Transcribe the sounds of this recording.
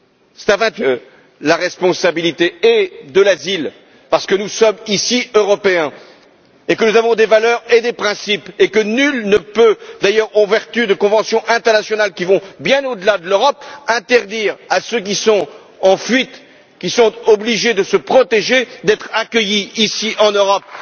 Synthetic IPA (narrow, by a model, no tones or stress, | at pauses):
sɛ̥t̪ãvɛ̃t̪ə | laʁɛspɔ̃sabilit̪eɛd̪əlazil | paʁsə̥kənusɔmisiøʁɔpeɛ̃ | ekənuzavɔ̃d̪evalœʁed̪epχɛ̃sipekənylnəpød̪ajœʁɑ̃vɛʁt̪yd̪əkɔ̃vɑ̃sjɔ̃ʔɛ̃t̪ɛʁnasjɔnalkʲivɔ̃bjɛ̃nod̪əlad̪əløʁɔpɛ̃t̪ɛʁd̪iːʁasøk̬ʲisɔ̃ | ɑ̃fɥit̪ | kʲisɔ̃t̪ɔbliʒed̪əsəpχɔt̪eʒed̪ɛt̪χakʲəjiisiʔɑ̃nøʁɔp̚